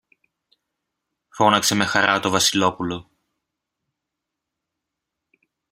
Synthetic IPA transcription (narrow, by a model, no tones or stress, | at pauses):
fo̞nɐkse̞me̞xɐɾɐt̪o̞vɐsilo̞pulo̞